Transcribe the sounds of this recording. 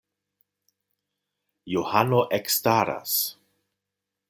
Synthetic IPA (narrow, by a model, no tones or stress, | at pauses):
johanoʔɛkstaɾa̰s